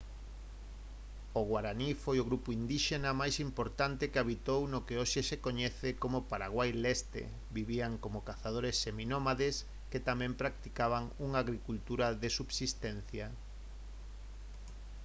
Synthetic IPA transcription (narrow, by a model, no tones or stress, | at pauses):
oɣwaɾanifojoɣɾupʊind̪iʃenamajsimpoɾt̪ant̪ekeaβit̪ownokeoʃesekoɲɛθekomʊpaɾa̰ɣwajlɛst̪ḛ | biβiaŋkomokaθað̞oɾesːeminomaðes | ket̪amɛ̃mpɾak̚t̪ikaβaŋuŋaːɣɾikult̪uɾaðesuβsist̪ɛn̟θja